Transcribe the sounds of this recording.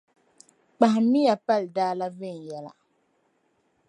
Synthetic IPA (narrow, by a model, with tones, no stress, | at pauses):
k͡pa˨hɪ˨mi˦ja˨pa˦˨ldaː˦la˦ve˦˨n˨jɛ˦la̰˨